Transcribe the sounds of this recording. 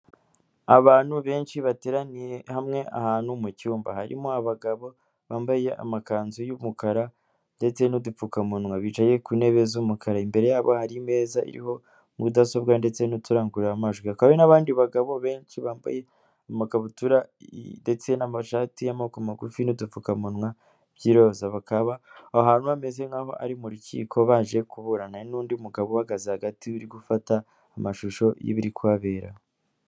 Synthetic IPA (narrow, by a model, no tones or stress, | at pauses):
aβaːnhuβe̞ːnʃiβate̞ːɾanije̞hamŋe̞a̰haːnhumucuːmba̰haɾḭmoaβaɡaβo̞ | βaːmbaje̞ʔa̰makaːnzujumukaɾa | nde̞t͡se̞nudufukamunŋwaβit͡ʃaje̞kune̞βe̞zumukʰaɾaimbe̞ɾe̞jaːβo̞̰haɾime̞ːzaḭɾḭho̞ | mudaso̞bɡande̞t͡senutuɾaːŋɡuɾamaʒɡwiakawenaβaːndiβaɡaβo̞βe̞ːnʃiβaːmba̰je̞ | amaɡaβutuɾade̞t͡se̞namaʃatijamaokomaɡufinudufukamunwa | β̥jiɾo̞ːzaβakaβaoɦaːnhuamezeŋaːho̞̰ʔa̰ɾimuɾucḭːkʰo̞βaːʒe̞kuβuɾananuːndiumuɡaβoaɡazehaɡatʰiuɾiɡufataː | maʃuʃo̞jḭβiɾikuaβe̞ːɾa̰